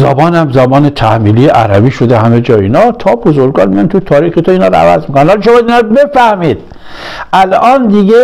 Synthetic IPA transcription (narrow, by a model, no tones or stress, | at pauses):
zɒ̰bɒːnæmzæbɒːnet̪ʰæhmiːliːjeʔæ̰ɾæbiːʃod̪ehæmed͡ʒɒːiːnɒt̪ʰɒːbozoɾɡɒːnmijɒnt̪ʰut̪ʰɒːɾiːxet̪ʰoiːnɒːɾɔ̰æ̰væ̰zmikonænɒːliʃomɒd̪iːnɒɾɔbefæhmiːd̪̥ | ʔælɒːnd̪iɡe